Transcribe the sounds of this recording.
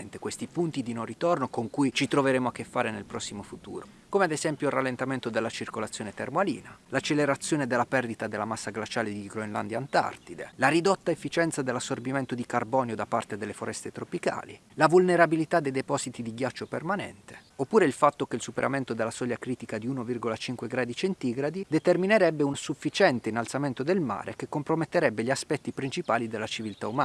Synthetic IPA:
nt̪ekwest̪ipunt̪id̪inõnrit̪ornokoŋkujt͡ʃit̪ɾoveɾeːmoak̟ːefːaːɾenelpɾɔsːimofut̪ṵːɾo | koːmead̪ezɛmpjoiralːent̪ament̪od̪elːat͡ʃirkolat̪sːjoːnet̪ermoalḭːnalat͡ʃːeleɾat̪sːjoːned̪elːapɛrd̪it̪ad̪elːamasːaɡlat͡ʃaːled̪iɡɾoenla̰nd̪jant̪a̰rt̪id̪elaɾid̪ot̪ːaefːit͡ʃɛnt̪sad̪elːasːorbiment̪od̪ikarbɔːnjod̪apːa̰rt̪ed̪elːefoɾɛst̪et̪ɾopika̰ːlilavulneɾabilit̪ad̪ejd̪epɔzit̪id̪iɡjat͡ʃːopermanɛ̰nt̪e̥opːuːɾeilfat̪ːok̟eilsupeɾʔa̰ment̪od̪elːasɔʎːakɾiːt̪ikad̪iunovirɡolat͡ʃiŋkweɡɾaːd̪it͡ʃent̪iɡɾad̪id̪et̪ermineɾɛbːeunsufːit͡ʃɛnt̪einalt̪sament̪od̪elma̰ːɾḛkekːompɾomet̪ːeɾɛbːeʎiaspɛt̪ːipɾint͡ʃipaːlid̪elːat͡ʃivilt̪aumaː

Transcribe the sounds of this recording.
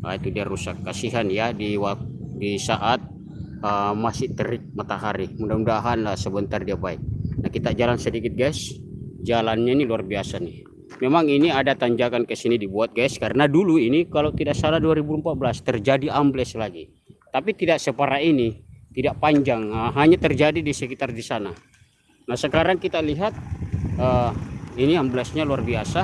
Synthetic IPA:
a̰it̪udiaɾusakːasiɦanjadiwadisaʔat̪̚ | əmasɪht̪əɾɪk̚mat̪aɦaɾimudamudaɦanlahsəbənt̪ardiabaɪk̚nahkit̪ad͡ʒalansədikɪt̪̚ɡajsd͡ʒalanɲainiluarbiasani | mɛmaŋiniadat̪aɲd͡ʒakankəsinidibuat̪̚ɡajskaɾənaduluinikalawt̪idaʔsaladuaɾibumpat̪̚bəlast̪ərd͡ʒadiamblɛslaɡi | t̪apit̪idaʔsəpaɾainit̪idaʔpaɲd͡ʒaŋəɦaɲat̪ərd͡ʒadidisəkit̪ardisana | nahsəkaɾaŋkit̪aliɦat̪̚əiniamblɛsɲaluarbiasa

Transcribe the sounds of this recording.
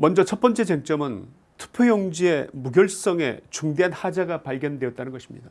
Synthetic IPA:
mʌnd͡ʑʌt͡ɕʰʌt̚p͈ʌnt͡ɕ͈e̞d͡ʑeŋt͡ɕ͈ʌmɯn | tʰu̥pʰejʌŋd͡ʑie̞muɡjʌɭsʰi̥s͈ʌŋe̞̰t͡ɕuŋde̞ɦanhad͡ʑaɡapaɭɡjʌndwe̞jʌt̚t͈anɯnɡʌɕʰimɲḭda

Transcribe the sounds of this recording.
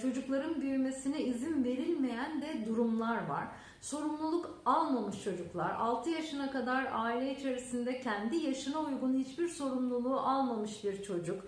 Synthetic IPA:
t͡ʃʰo̞d͡ʒuklˠaɾɯnbyjyme̞siniizinve̞ɾilʲme̞jændɛd̪uɾumlˠaɾva̰ɾ̥ | so̞ɾumlˠulˠuk | alˠmamɯʃt͡ʃʰo̞d͡ʒuklˠa̰ɾa̰lˠt̪ʰɯjaʃɯnakad̪aɾaːilʲɛit͡ʃʰe̞ɾisind̪ɛcʰænd̪ijaʃɯnaujɡunhit͡ʃbiɾso̞ɾumlˠulˠuːʔalˠmamɯʃbiɾt͡ʃʰo̞d͡ʒuk

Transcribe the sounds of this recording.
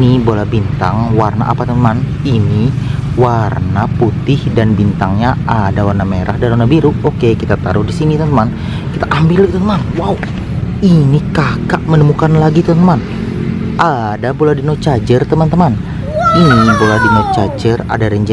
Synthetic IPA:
nibolahbint̪a̰ŋwarna̰ʔa̰pat̪əmanəman | iniwarnaput̪ɪhdanbint̪aŋɲaadawarnameɾahdalanabiɾuokekit̪at̪a̰ɾʊhdisinit̪əmant̪əman | kit̪aʔambɪlkit̪at̪əmanwau | inikakaʔmənəmukanlaɡit̪əmanəman | ʔadabolahdinot͡ʃad͡ʒərt̪əmant̪əman | inibolahdinot͡ʃad͡ʒəra̰daɾəɲd͡ʒa

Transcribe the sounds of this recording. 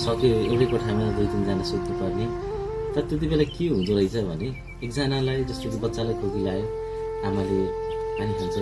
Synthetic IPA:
sʌkeoɽekoʈʰamenad̪ujtʌnd͡zanasoknupʌrnit̪ʌɾʌt̪et̪̬ibelakiɦũnt͡sʰuɾʌjt͡sʰʌbʱʌ̰ne | eːk̚d͡zanalajd͡zʌst̪okibʌtːsalajkʰoɡilae | amaleaniɦunt͡sʰu

